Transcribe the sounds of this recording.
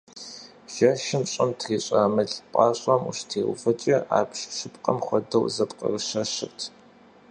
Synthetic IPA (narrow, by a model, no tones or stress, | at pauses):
ʒ̥ɐʃɪmɕʼɐmtʰriːɕʼaːmɨɬʼpʼɑːɕʼɐmṵɕtʰeːw̰fɐt͡ʃʼɐʔa̰ːpʰɕʃɨpqʼɐmχʷɔdɐwzɐpqʼɐ̰rɨʃɐɕɨ̰rtʰ